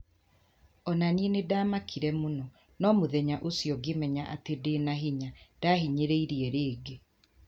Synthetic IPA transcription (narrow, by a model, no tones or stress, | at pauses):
ɔnanienedaːmakʰiɾɛmonɔ | nɔmoðɛɲaʔosjɔɡemɛɲaʔatedenaɦiɲad̥aɦiɲeɾeiɾiɛɾeːɡe